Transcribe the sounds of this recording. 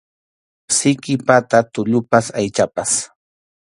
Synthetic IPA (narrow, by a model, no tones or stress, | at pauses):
sɪkɪpat̪at̪ʊʎʊpasajt͡ʃapas